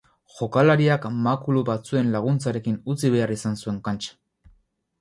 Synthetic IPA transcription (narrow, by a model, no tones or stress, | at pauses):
ʝo̞kalaɾiakmakuluβat͡sue̞nlaɣ̞unt͡saɾe̞kinut͡siβe̞arisansue̞ŋkant͡ʃḁ